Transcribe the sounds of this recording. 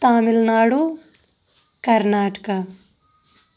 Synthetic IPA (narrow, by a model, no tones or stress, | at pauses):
t̪aːmɪlnaːɽu | kɐɾnaːʈka